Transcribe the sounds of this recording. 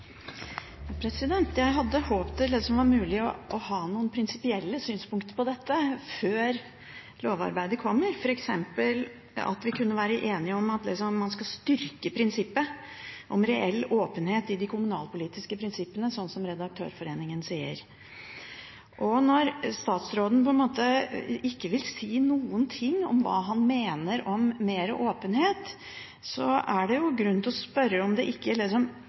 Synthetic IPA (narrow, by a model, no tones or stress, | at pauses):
ɑpʰɾɛsɪd̪ɛnt̪jæɪɦɑd̪ːəhoːpt̪ʰɪld̪ɛsɔmʋɑɾmʉːlɪɔʔɔhɑːnuːənpʰɾɪnsɪpɪɛlːəsyːnspʊŋkt̪əpɔd̪ɛt̪ːəføːɾ | loːʋɑ̰ɾbæɪd̪əkʰɔmːəɾfɔɾɛksɛmpəl | ɑ̰t̪ʋɪkʰʉnːəʋæːɾəʔeːnɪəɔmːɑt̪̚d̪ɛsɔmːɑnskɑst̪ʏɾkəpʰɾɪnsɪpːə | ʔɔmɾɛʔɛlːoːpənheːt̪ɪd̪ɪkʰʊmʉnɑ̰ːlpʊliːt̪ɪskəpʰɾɪnsɪpːənəsɔnsɔmɾɛd̪ɑk̚t̪ʰø̰ːɾfɔɾeːnɪŋənsiːə̰ɾ | ʔɔnɔɾst̪ɑːt̪sɾoːd̪ən̩pʰɔɛnmoːt̪əɪkːəʋɪlsiːnuːənt̪ʰɪŋːɔ̰mʋɑ̰ːɦɑnmeːnəɾɔmːeːɾə̰ʔoːpənɦeːt̪ | sɔæɖɛjʊɡɾʉnt̪ɔspœɾːəɔmd̪ɛʔɪkːəlɪsɔm